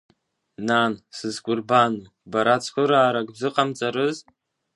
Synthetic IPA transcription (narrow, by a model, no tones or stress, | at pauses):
nansɨzkʷʼʊrbanu | baɾat͡sʰkʷʰʊɾaːɾakʼbzɨqʼamt͡sʼaɾɨz